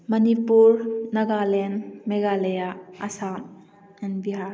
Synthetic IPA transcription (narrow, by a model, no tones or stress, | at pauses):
mɐnipuɾnɐɡalenmeɡalejaɐsam | ɛnbiɦaɾ